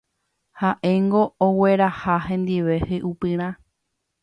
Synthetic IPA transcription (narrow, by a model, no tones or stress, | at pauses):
haʔe̞ŋɡo̞ːwe̞ɾahahẽ̞nd̪iʋe̞hɨʔupɨ̃ɾ̃ã